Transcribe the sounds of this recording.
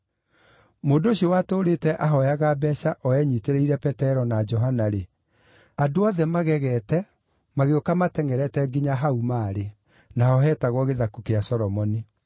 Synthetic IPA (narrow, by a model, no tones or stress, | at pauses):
moːdoɕiɔwatoːɾetɛʔaɦɔjaɣabɛʃaʔɔɛɲiteɾeiɾɛpɛtɛɾɔnad͡ʒɔɦanaɾe | adoɔðɛmaɣɛɣɛtɛ | maɣeokamatɛŋɛɾɛtɛɡiɲaɦaumaːɾe | naɔɦɛːtaɣwɔɣeðakukeasɔɾɔmɔni